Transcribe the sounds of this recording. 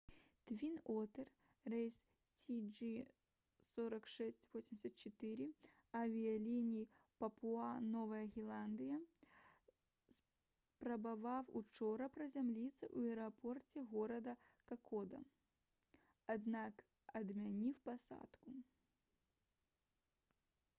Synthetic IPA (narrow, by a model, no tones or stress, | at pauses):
t̪vʲinɔt̪ɛr | rɛjs | t͡sʲid͡ʒi | sɔɾɐkʂɛsʲt͡sʲvɔsʲɪmʲdʲɪsʲɐt̪̚t͡ʃɛt̪ɨɾɨ | ɐvʲijɐlʲinʲijipɐpuanɔvɐjɐɣʲilˠand̪ɨjɐ | s | pɾɐbavawut͡ʂɔɾɐpɾɐzʲamlʲit̪sːɐʔuɛɾapɔrt͡sʲɛɣɔɾɐd̪ɐkakʰɔd̪ɐ̰ | ad̪nak | ɐd̪mʲanʲiwpasa̰t̪ku